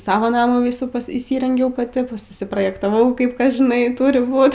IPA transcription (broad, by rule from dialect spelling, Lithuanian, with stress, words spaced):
ˈsɑːʋoː ˈnɑːmuː ˈʋʲiːsuː pɐs iːˈsʲiːrʲɛŋʲɡʲɛʊ pɐˈtʲɪ ˈpʊsʲɪ sʊsʲɪproːjɛktɐˈʋɐʊ ˈkɐɪp ˈkɐs ʒʲɪˈnɐɪ ˈtʊrʲɪ ˈbuːt